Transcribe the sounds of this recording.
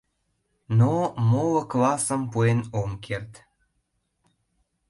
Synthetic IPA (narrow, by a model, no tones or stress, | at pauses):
nomolə̆klɑsəmpuenomkʰert̪